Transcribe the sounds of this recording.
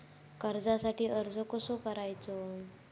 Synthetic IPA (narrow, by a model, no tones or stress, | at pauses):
kəɾd͡zasaʈiːʔəɾd͡zʱəkosokəɾajt͡so